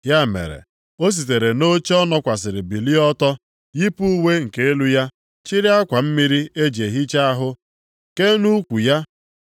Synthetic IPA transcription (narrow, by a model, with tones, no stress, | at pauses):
ja˦˨mḛ˨ɾḛ˨ | o˦s̬i˨t̬e˨ɾe˨no˦t͡ʃe˦ɔ˦nɔ˦kʷa˨sɪ˨ɾɪ˨bi˨li˦ɔ˦tɔ˦ | ji˦pu˦we˦ŋ̩˨ke˦e˦lu˦ja˦ | t͡ʃi˦ɾi˦a˦kʷa˨m̩˦mi˦ɾi˦e˦d͡ʒe˨ɦi˦t͡ʃa˦a˦ɦʊ˦ | ke˦nu˦kʷu˨ja˦